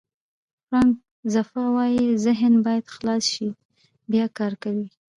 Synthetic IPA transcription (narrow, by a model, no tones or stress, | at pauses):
fɾɑŋk̚ | zafɑwɑjizɪɦnbɑjad̪̥xlɑsʃi | bjɑkɑɾkawi